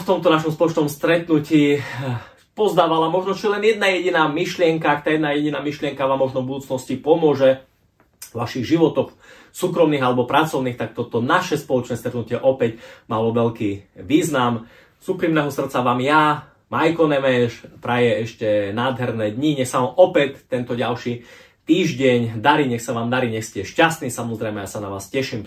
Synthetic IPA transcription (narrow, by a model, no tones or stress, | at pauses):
ft̪ɔmt̪ɔnaʃ̬ɔmspɔlɔt͡ʃnɔmst̪ɾɛt̪nuciː | pɔzd̪aːʋalamɔʒnɔt͡ʃiɛlɛnjɛd̪najɛɟinaːmiʃlɪɛŋkaakt̪aːjɛd̪najɛɟinaːmiʃlɪɛŋkaʋaːmːɔʒnɔvbud̪uːt͡snɔscipɔmʊɔʒɛ | ʋaʃiɣʒiʋɔt̪ɔx | suːkɾɔmniːɣalɛbɔpɾat͡sɔʊniːxt̪ak̚t̪ɔt̪ɔnaʃɛspɔlɔt͡ʃnɛːst̪ɾɛt̪nucɪɛʔɔpɛcmalɔʋɛʎkiːʋiːznam | suːkɾimnɛɦɔsr̩t̪t͡saʋaːmja | majkɔnɛmɛʃpɾajɛɛʃcɛnaːd̪ɦɛɾnɛːd̪ɲiɲɛxsaʋamʔɔpɛtt̪ːɛnt̪ɔɟalʃi | t̪iːʒɟɛɲd̪aɾiːɲɛxsaʋaːmd̪aɾiːɲɛxscɛʃcast̪niːsamɔzɾɛjmɛjasanaʋaːscɛʃim